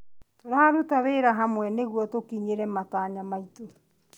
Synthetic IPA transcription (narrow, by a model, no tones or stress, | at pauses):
toɾaaɾutaβeɾaɦamwɛneɣuɔtokiɲeɾɛmataːɲamaito